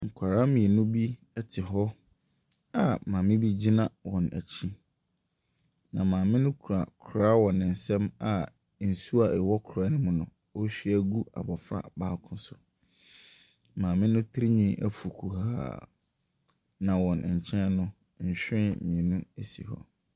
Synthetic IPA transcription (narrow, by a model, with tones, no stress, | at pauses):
ŋ̩˨kʷʰa˨ɾa˦mĩ˨ɛ˨nʊ̃˦bi˦ | ɛ˦tʰɪ˨ɦɔ˦ | a˨mãː˨mɪ̃˦bi˦d͡ʑi˦nã˦wɔ̃˨næ̰˨t͡ɕʰi˦ | nã˨mãː˨mɪ̃˦nʊ̃˦kʰɾa˨kʰʊ˨ɾa˦wɔ̃˨nɪ̃˨n̩˨sɛ̃˦ma˨ | n̩˨su˦a˨ʔɛ˨wɔ˦kʰɾa˨˦nɪ̃˦mʊ̃˦nʊ̃˨ | o˦ɕᶣi˦æ˦ɡu˦a̰˨bɔ˨fɾa̰˨baː˦kʰʊ̃˦sʊ˨ | mãː˨mɪ̃˦nʊ̃˦tʰɾi˦ɲĩ˦ʔæ̰˨fu˨kʰu˨ɦa̰ː˦˨ | nã˨wɔ̃˨n˨ɲ̩˨t͡ɕʰɛ̃˦nʊ̃˦ | ɲ̩˨ɕᶣɪ̃˦mĩ˨nũ˦e˦˨sḭ˨hɔ̰˦